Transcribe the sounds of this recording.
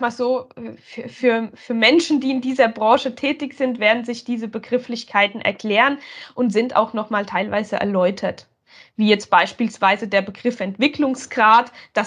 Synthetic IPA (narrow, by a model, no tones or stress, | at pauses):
maːlzoːfyɐfyːɐfyːɐmɛnʃn̩diːɪndiːzɐbʁɑ̃ːʃətʰɛːtɪçz̥ɪntv̥eːɐdn̩zɪçd̥iːzəbəɡʁɪflɪçkʰaɪtn̩ʔɛ̰ɐkʰl̥ɛːʁənʔʊntz̥ɪnta̰ʊxnɔχmaːltʰaɪlva̰ɪzəʔɛ̰ɐlɔʏtʰɐt | viːjɛt͡st̚b̥aɪʃpiːlsv̥aɪzədeːɐbəɡʁɪfɛntv̥ɪklʊŋsɡ̥ʁaːtd̥a